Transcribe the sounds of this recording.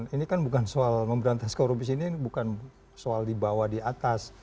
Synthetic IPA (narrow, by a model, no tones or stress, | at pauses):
ninikanbukansoalməmbəɾant̪askoɾubisinibukan | soaldibawadiat̪as